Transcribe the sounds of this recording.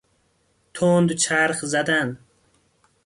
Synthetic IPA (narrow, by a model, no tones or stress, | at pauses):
t̪ʰoːnd̪ut͡ʃʰaɾχzad̪an